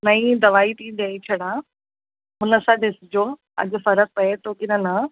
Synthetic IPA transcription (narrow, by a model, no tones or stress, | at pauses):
nɐĩd̪ɐʋaːit̪ʰĩːd̪ɐet͡ɕʰɐɽãː | ɦʊnəsãd̪ɪsɪd͡ʑoː | ɐ̰ʄʊ̆fɐɾək̚pɐet̪oːkɪnɐna